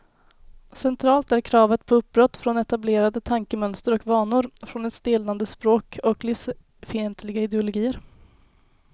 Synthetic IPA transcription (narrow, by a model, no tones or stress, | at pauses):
sɛnt̪ʰɾɑːlt̪æɾkʰɾɑːvət̪pʰɔɵp̚bɾɔt̪ːfɾɔnɛt̪ableːɾad̪ət̪ʰaŋkəmœnst̪əɾɔkvɑːɳʊɾfɾɔnɛt̪st̪ɪːland̪əspɾoːkʰɔklɪfs | fɪɛnt̪ʰlɪɡaɪd̪ɛʊlʊɡiːəɾ